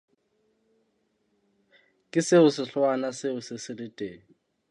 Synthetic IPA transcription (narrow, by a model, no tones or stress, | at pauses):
kʼɪsɪʊsɪɬwanasɪʊsɪsɪlɪtʼeːŋ̩